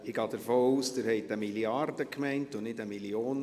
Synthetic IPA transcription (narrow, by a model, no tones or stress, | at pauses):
ɪɡɑːd̥əɾfoːuːsd̥ɪɾhɛɪtəmiliɑrd̥əkmɛɪntʊnɪdəmilioːn